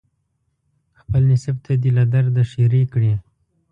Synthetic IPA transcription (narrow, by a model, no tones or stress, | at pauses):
xpəlnɪsɪb̚t̪ʰad̪ilad̪aɾd̪aʃiɾikɽi